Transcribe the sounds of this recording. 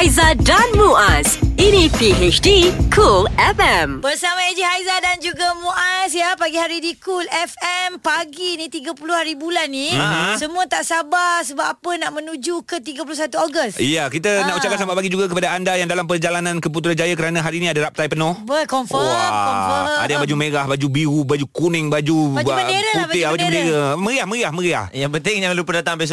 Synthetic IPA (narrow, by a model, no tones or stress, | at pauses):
jzadanmuʔasinipiet͡ʃdikʰulɛfɛmbərsamãed͡ʒiɦajzadand͡ʒuɡamuʔasjapaɡiɦaɾidikulɛfɛmpaɡinit̪iɡapuluhaɾibulanːisəmũat̪aʔsabasəbapapənaʔmə̃nũd͡ʒukət̪iɡəp̬ulus̬at̪uoɡəstijakit̪ənaʔut͡ʃakasambaʔpaɡid͡ʒuɡak̬əpadaandajaŋdalampərd͡ʒalanãnkəp̬ut̪̬uɾand͡ʒajakəɾanaɦaɾinĩadaɾap̚t̪ajpənɔhbəkɔmfɔaɔfəa̰dajabad͡ʒuməɾahbad͡ʒubiɾubad͡ʒukunɪŋbad͡ʒubad͡ʒubədeɾaputb̪bad͡ʒuməndeɾəməɾiahmə̃ɾiahmə̃ɾia̰hjapənt̪ɪŋjaŋlupədat̪aŋbas